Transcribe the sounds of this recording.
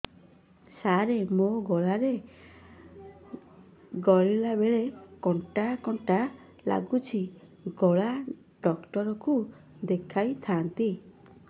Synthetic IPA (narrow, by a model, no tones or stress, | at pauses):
saɾemoɡɔɭaɾe | ɡɔɭilabeɭekɔɳʈakɔɳʈa | la̰ɡut͡ʃʰi | ɡɔɭa | ɖɔkʈɔɾɔku | d̪ekʰajt̪ʰant̪i